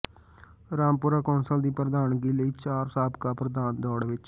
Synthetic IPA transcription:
ɾaːmpuːɾaːkɔːnsəld̪iːpɾəd̪aːnɡiːləiːt͡ʃaːɾsaːbkaːpɾəd̪aːnd̪ɔːɽʋɪt͡ʃ

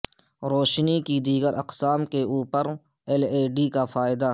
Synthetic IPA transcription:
ɾoːʃnikid̪iːɡəɾʔɐqsaːmkeuːpəɾ | ɛleːɖikafaːɪd̪a

